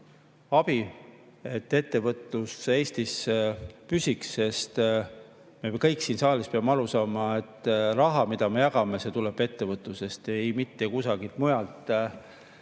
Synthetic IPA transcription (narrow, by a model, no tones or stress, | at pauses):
ɑb̥i | e̞t̪ːe̞t̪ːe̞vɤt̪ˑːuse̞ːst̪ispysʲikse̞st̪ | mekɤjksiːnsɑːlispeɑmeɑɾusɑːmɑe̞t̪ːˑrɑɦɑmid̪̥ɑme̞jɑkɑmese̞t̪uleb̥e̞t̪ːe̞vɤt̪ːˑuse̞st̪ejmit̪ːe̞kusɑɡilt̪mujɑlt̪ˑ